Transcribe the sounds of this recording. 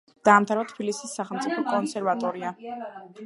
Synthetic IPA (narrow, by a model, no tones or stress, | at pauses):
d̪̥aːmt̪ʰaɾvat̪ʰbilisisːaχɛlmt̪sʼipʰɔkʼɔnsɛɾvat̪ʼɔɾia